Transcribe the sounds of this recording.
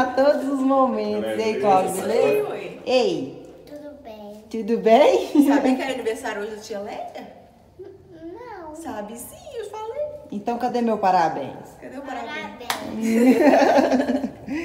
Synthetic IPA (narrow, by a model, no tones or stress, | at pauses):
at̪od̪ʊzʊzmomẽt̪ʊzejklaɡʊzɪle | ejt̪ud̪ʊbẽjt̪ud̪ʊbẽj̃sabĩkaɾɐniveɾsaɾjʊoʒewt͡ʃĩɲɐleɡɐ | nɐ̃w̃sabɪsĩefaleẽt̪ɐ̃w̃kɐd̪emewpaɾabḛ̃j̃skɐd̪ewpaɾabbẽ